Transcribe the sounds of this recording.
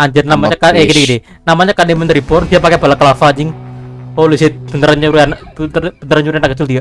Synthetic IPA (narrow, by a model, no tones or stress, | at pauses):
aɲd͡ʒərnamaɲakaɡidiɡidi | namaɲakanemənt̪ɾibɔrdiapakebalakəlafad͡ʒɪŋolusb̥ənt̪əɾaɲuɾianab̪b̥ənt̪əɾaɲuɾianakət͡ʃɪld̪ia